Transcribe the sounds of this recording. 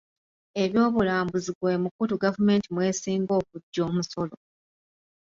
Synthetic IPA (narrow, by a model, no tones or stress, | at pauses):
e̞βjo̞ːβulaːmbuziɡwe̞ːmukutuɡavume̞ːntimwe̞ːsiːŋɡo̞ːk̚uɟːo̞ːmuso̞lo